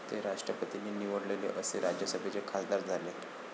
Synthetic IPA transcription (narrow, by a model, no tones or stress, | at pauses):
t̪eɾaʂʈɾəpət̪iniːniʋəɽlelḛʔəseɾad͡ʑjəsəbʱet͡ɕekʰasd̪aɾd͡zʱaleɾ